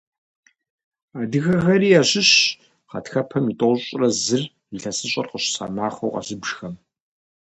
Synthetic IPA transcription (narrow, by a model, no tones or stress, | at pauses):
aːdɨxɐxɐɾiːaɕɪɕ | qɐtxɐpʰɐmitʼoɕʼrɐzɨr | iɬɐsɨɕʼɐ̰rqəɕsa̰ːmaːχʷowqɐ̰ɕɨbʒxɐm